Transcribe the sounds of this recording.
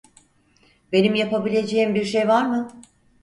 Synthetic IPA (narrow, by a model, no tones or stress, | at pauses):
be̞nimjapabilʲe̞d͡ʒe̞jimbiɾʃejvaɾmɯ